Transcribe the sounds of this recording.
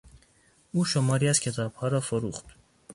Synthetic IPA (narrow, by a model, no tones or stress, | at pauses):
uʃɔmɑɾjaskʰɛt̪ʰapʰɑɾafɔɾuχt̪